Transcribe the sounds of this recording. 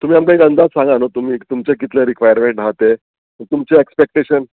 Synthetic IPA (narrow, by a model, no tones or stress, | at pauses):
t̪um̤iːamkaiɡə̃nd̪ʱat͡ssãŋɡanot̪um̤iːt̪umt͡ɕek̬it̪leɾikʋajəɾmẽɳʈnat̪e | ət̪umt͡ɕeekspek̚ʈeɕən